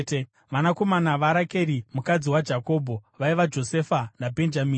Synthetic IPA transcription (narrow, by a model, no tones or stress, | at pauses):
ʋanako̞manaʋaɾake̞ɾimukad͡ziwad͡ʒako̞ːbʱo̞ʋaiʋad͡ʒo̞se̞fanabʱe̞nd͡ʒamiːn